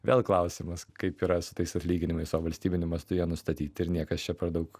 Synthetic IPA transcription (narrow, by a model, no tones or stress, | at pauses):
ʋʲeːlˠklˠɐʊsʲɪmɐskɐɪpiːɾɐsʊt̪ɐɪsɐtʲlʲiːɡʲɪnʲɪmɐɪsoːʋɐlʲsʲt̪ʲiːbʲɪnʲʊmɐst̪ʊjiɛnʊst̪ɐt̪ʲiːt̪ʲɪɾnʲiɛkɐst͡ʃʲɛpʲɐɾd̪ɐʊk